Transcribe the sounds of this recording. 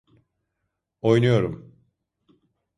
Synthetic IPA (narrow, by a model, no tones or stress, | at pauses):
ojnujo̞ɾum